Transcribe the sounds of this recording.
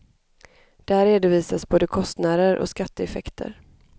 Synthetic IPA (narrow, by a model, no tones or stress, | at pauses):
d̪̥ɛhæːɾːeːd̪ʊviːsasboːd̪əkʰɔst̪naːd̪əɾʔɔ̰skat̪ːəɛfɛkt̪ʰə̰ɾ